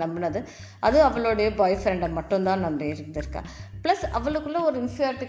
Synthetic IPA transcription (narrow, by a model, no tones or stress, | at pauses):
ɐmbɐnɐðɯ | ʔɐðɯɐʋɐɭoːɽɐjɐbaːjfɾɛɳɖɐmɐʈːɯ̃nt̪ãːnɐmːeɪɾɯnd̪ɪɾɯkːã̰ːplɐsɐʋɐɭɯkːɯlːɐɔɾɯɪnsɪjaːɾɪʈːɪ